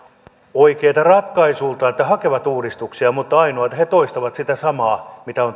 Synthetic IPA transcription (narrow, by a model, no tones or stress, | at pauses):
oikeːt̪ɑrɑt̪kɑisuːlt̪ɑet̪ːæhɑkeʋɑt̪uːdist̪uksiɑmut̪ːɑɑinoɑt̪het̪oist̪ɑʋɑt̪sit̪æsɑmɑːmit̪æon